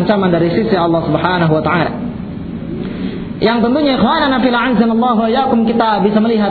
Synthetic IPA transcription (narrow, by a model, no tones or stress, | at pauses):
ɲt͡ʃamandaɾisisiɑlːɑhsubħanaɦuwat̪aʕala̰ | jaŋt̪ənt̪uɲaixwananafilaʕanzanɑlˠːɑɦuwaijakʊmkit̪abisaməliɦa